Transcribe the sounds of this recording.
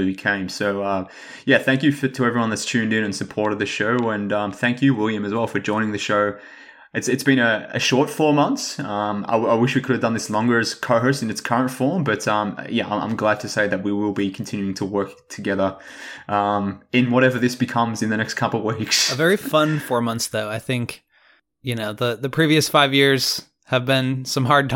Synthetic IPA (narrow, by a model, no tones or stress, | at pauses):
bɨkʰẽɪ̃msoʊʌ | jæθæ̃ŋkjɨfəɾʰɨɛvɹiwʌ̃nðɨtstʰʉ̃ndɨ̃nɨ̃nsɨpʰɔɹɾɨd̪̚ðɨʃoʊɨ̃nʌ̃mθæ̃ŋkʰjɨwɪlˠjɨ̃mɨzwɛlˠfə˞d͡ʒɔ̃ɪ̃nɪ̃ŋðɨʃoʊ | ɨtsɨtsb̥ɨ̃ñɨɨ̰ʃɔɹtfɔɹmʌ̃nθsʌ̃ma̰ɪaɪwɪʃwikʰʊɾɨvdʌ̃nðɪslɔ̃ŋɡə˞ɨz̥kʰoʊɦɜ˞sɨ̃nɨtskʰɜ˞ɨ̃ntfɔɹmbʌtʌ̃m̰jæã̰ɪã̰ɪ̃mɡlæd̚tʰɨseɪðɨt̚wiwɪlˠbikʰn̩tʰɪ̃njʉɪ̃ŋtʰəwɜ˞k | tʰɨɡɛðə˞ | ʔʌ̃mɨ̃nwʌɾɛvə˞ðɪsb̥ɨkʰʌ̃mzɨ̃nðɨñɛkskʰʌpl̩ˠvwiksəvɛɹiffʌ̃nfɔɹmʌ̃nθsðoʊaɪθɪ̃ŋk | jɨnoʊðəðɨpʰɹ̥iviɨsfaɪvjɪɹz̥ | ɨvbɪ̃nsʌ̃mɦɑɹd̚tʰ